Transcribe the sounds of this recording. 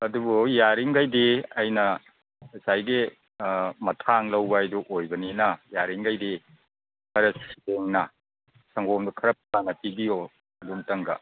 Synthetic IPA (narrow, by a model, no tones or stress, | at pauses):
ɐdubujaɾiŋɡajdiɐjnɐ | sajɡi | mɐtʰaŋlɐwbɐɐjduʔojbɐninɐjaɾiŋɡajdi | kʰɐɾɐsi̥beŋnɐ | sɐŋɡomdukʰɐɾɐp̚tanɐpibijo | ɐdumtɐŋɡɐ̰